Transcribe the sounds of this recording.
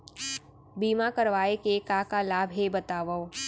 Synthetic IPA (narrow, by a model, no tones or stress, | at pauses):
biːmakɐɾʋaːekekaːkalaːbɦebɐt̪aːʋa